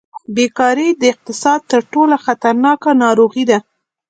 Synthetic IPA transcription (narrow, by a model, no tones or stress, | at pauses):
bekɑɾed̪əɪq̚t̪ɪsɑd̪̚t̪əɾʈolaxat̪aɾnɑkanɑɾoɣid̪a